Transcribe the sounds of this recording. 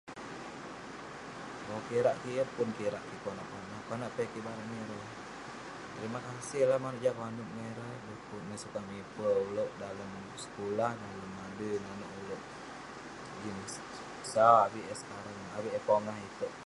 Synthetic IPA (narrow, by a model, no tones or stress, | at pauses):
okiɾaʔkiəpʊnkiɾaʔkikuanaʔkanaʔkanaʔpekibaɾaʔmiɾə | t̪əɾimakasɪhlahmanəʔd͡ʒakwanuʔmeɾədəkunəsukamipəuloʔdaləm | ʔsə̥kulahdaləmːadənanoʔuloʔ | d͡ʒinəs | sabiʔɛsə̥kaɾaŋawiʔɛpoŋaɦit̪əʔ